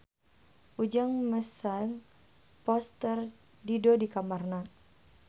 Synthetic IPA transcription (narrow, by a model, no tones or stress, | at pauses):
ʔud͡ʒaŋməsaŋ | pɔst̪ər | didodikamarna